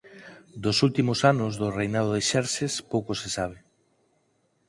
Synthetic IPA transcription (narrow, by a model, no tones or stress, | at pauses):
d̪osult̪imosanozðorejnaðoðeʃɛɾsespowkosesaβ̞e